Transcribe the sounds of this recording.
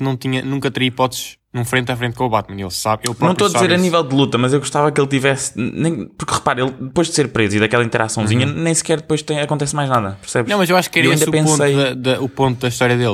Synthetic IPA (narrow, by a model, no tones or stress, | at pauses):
nɐ̃w̃t̪iɲɐnũŋkɐt̪ɾɐipɔt̪ | nũfɾẽnt̪afɾẽnt̪̚kõuβat̪̚mɐnḛlˠsaβelˠpnɐ̃w̃p̪oɐðizeɾɐnivɛlˠd̪ɨlˠut̪ɐmɐzewɣuʃt̪avɐkelˠt̪ivɛsnẽj̃puɾkʁɨpaɾelˠd̪ɨpojʒd̪seɾpɾeziðɐkɛlˠɐĩt̪ɾasɐ̃w̃ziɲɐnẽj̃sɨ̥kɛɾðɨpojʃt̪ɐ̃j̃ɐkõɛsmajʒnaðɐpɨɾsɛβuɐ̃mɐzewaʃu̥kɛɾewɐĩd̪pẽsstɐjɐðɐupõnt̪uðɐiʃt̪ɔɾjɐðelˠ